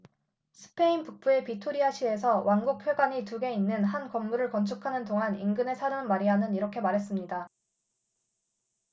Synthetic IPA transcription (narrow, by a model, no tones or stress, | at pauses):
sʰɯ̥pʰe̞inpuk̚p͈ue̞pitʰoɾiaɕʰie̞sʰʌwʔanɡuk̚pʰjweɡaɲituɡe̞inːɯnɦankʌmːuɾɯɭkʌnt͡ɕʰukʰanɯndoŋɦaninɡɯne̞sʰaɾɯmmaɾiɦanɯniɾʌkʰe̞maɾɦe̞s͈ɯmɲida